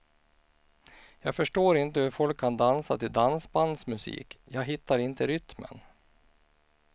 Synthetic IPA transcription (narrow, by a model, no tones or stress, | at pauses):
jɑːɡfœʂʈoːɾɪnt̪əhɵɾfɔlkʰːand̪ansat̪ɪld̪ansband̪smɵsḭːkjɑːɡɦɪt̪ːaɾɪnt̪əɾʏt̪mə̰n